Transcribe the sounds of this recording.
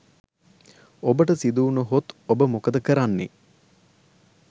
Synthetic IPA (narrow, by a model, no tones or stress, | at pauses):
obəʈəsid̪uːnəɦot̪obəmokəd̪əkəɾanːḛ